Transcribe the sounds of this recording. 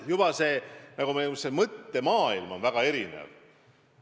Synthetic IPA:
jub̥ɑse̞ːnɑɡ̥umesemɤt̪ːe̞mɑːilmo̞nvæɡ̥ɑe̞ɾinḛv

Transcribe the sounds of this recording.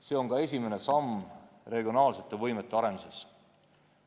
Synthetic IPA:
se̞ːo̞ŋkɑe̞s̬ʲime̞ne̞sɑm | re̞ɡ̥io̞nɑːlse̞t̪ːˑevɤjmet̪ˑːe̞ɑɾe̞nuses

